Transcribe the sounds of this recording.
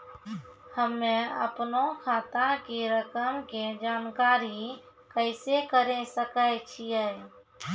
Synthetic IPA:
həmːẽə̰pnokʰaːt̪ãkeɾəkəmked͡ʒaːnkaːɾi | kəɪsekəɾẽsəkət͡ʃʰiɛ

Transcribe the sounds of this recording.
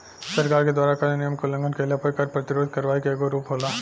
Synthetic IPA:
sɐɾkaːɾked̪waːɾakalnɪjəmkolɐ̃ŋɡənkelapɐɾkɐɾpɾɐt̪ɪɾoːd̪̚ʱkɐɾʋaːikeeɡoɾuːpɦoːlaː

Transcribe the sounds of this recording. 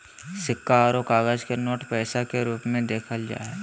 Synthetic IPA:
sɪkːaɾokaːɡəd͡ʒkenoːʈpɛːsakeɾuːpmẽd̪eːkʰəld͡ʒa̰ːɦɛː

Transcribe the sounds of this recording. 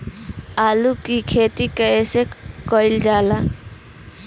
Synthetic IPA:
aːlukikʰet̪ikəesekɔɪld͡ʒaːla

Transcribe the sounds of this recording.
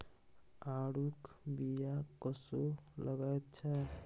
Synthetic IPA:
aɽukbijakɔsoləɡajt̪̚t͡ʃʰə

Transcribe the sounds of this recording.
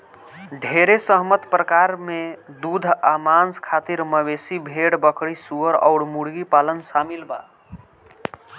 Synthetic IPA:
ɖʱeɾesəɦmət̪pɾəkaɾmed̪ud̪ʱamanskʰat̪iɾməβesibʱeɽbəkɽisuəɾɔ̰ʊɽmuɽɡipalənsamilba̰

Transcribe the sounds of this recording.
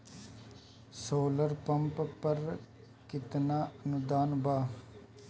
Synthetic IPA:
soːləɾpəmppəɾ | kɪt̪naːənʊd̪aːnbaː

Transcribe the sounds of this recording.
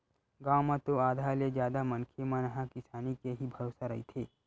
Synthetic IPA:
ɡaːwmãt̪oaːd̪ʱaled͡ʒjaːd̪amɐ̃nkʰemə̃nɐɦãkɪsaːnikeɦibʱɐɾoːsaɾɐɦit̪ʰeː

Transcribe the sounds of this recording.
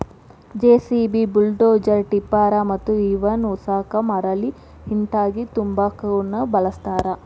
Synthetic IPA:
d͡ʒeːsibibulɖoːd͡ʒɐɾʈipːaːɾɐmɐt̪ːuiʋɐnusaːkɐmɐɾɐli | hint̪aːɡit̪umbaːkɐɐnːɐbɐlɐst̪aːɾɐ

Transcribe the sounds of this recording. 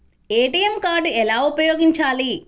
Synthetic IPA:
eːʈijemkaːɖuɛlaːupɐjoːɡiɲt͡ʃaːli

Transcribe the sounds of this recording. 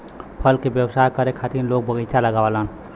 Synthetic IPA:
pʰəlkebjəwsaɦkəɾekʰat̪inlok̚bəɡit͡ʃʰaləɡawalən

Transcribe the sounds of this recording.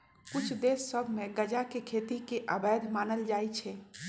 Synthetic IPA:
kut͡ʃʰd̪esːəbʱmeɡəd͡ʒakekʰet̪ikeʔəbəjd̪ʱmanəld͡ʒajt͡ʃʰɛ

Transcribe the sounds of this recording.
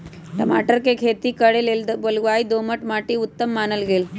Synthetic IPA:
ʈɐmaːʈɐɾkekʰeːt̪ikɐɽeleld̪ɐbɐlɡʋaːjd̪oːmɐʈmaːʈiut̪ːɐmːaːnɐlɡel

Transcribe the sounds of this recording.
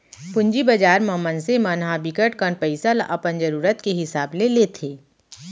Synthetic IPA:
pʊ̃ɲd͡ʒibɐd͡ʒaːɾməmənsemɐnɦabɪkəʈkənpəɪsalaʔɐpənd͡ʒəɾuːɾət̪keɦɪsaːblelet̪ʰeː

